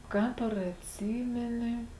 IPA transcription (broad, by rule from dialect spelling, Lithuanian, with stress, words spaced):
ˈkɑːp ɐr ɐtʲˈsʲiːmʲɛnʲɪ